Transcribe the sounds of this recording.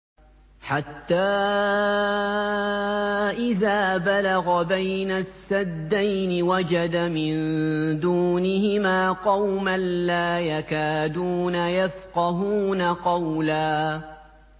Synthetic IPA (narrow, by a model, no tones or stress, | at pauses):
ħat̪ːaː | ʔɪðaːbalaɣabajnasːad̪ːajnɪwad͡ʒad̪amɪnd̪uːnɪhɪmaːqɑwmanlaːjakaːd̪uːnajafqɑɦuːnaqɑwlaː